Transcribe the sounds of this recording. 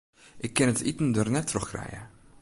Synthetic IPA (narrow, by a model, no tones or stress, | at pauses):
ʔɪkːɪnətitən̩dərnɛtʰːrɔχkrɛ̰jə̰